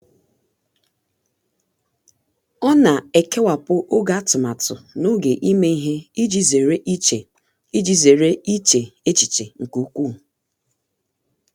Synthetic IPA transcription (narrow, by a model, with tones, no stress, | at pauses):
ɔ˦na˨e˨ke˦wa˨pʊ˦ʔo˦ɡa˦tʊ˨ma˨tʊ˨no˦ɡe˨ʔi˦me˦i˦ɦe˦d͡ʒi˦ze˨ɾe˦e˨ | i˦d͡ʒi˦ze˨ɾe˦i˦t͡ʃe˨e˦t͡ʃi̥˨t͡ʃe˨ŋ̩˨ku˨˦kʷu˦˨